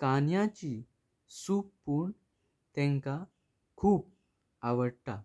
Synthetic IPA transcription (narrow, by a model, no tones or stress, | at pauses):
kanjãt͡ɕi | sukpuɳ | t̪ɛ̃ŋka | kʰuːp̚ | aʋəɽt̪a̰